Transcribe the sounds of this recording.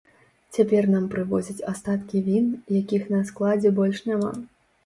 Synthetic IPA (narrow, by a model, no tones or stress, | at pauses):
t͡sʲapʲɛrnampɾɨvɔzʲɐt͡sʲast̪at̪kʲivʲinjakʲixnɐsklˠad͡zʲɛbɔlʲʂnʲama̰